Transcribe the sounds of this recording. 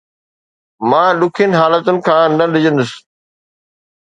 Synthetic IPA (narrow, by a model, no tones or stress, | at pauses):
mãːɗʊkʰənɪ̆ɦaːlət̪ʊnɪ̆kʰãːnɐɗɪd͡ʑə̃nd̪ʊs̆